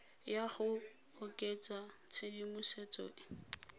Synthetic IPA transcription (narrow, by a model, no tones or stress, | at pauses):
jaχʊ | ʊkʼet͡sʼat͡sʰɪdimʊset͡sʼo̰ːʔɪ